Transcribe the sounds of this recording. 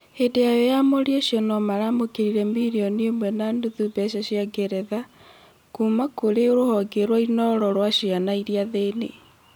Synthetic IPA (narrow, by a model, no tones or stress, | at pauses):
hedejajɔjamoɾieʃjɔnɔmaɾamokeɾiɾɛmiɾiɔniemwɛnanduðubɛʃaɕiaɡɛɾɛða | kumakoɾeoɾohɔɡeɾwainɔɾɔɾwaʃianaiɾiaðenḛ